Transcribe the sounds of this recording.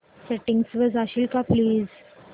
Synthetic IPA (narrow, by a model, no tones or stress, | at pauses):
sɛʈɪ̃ŋɡsʋɔzaʃilkapliːz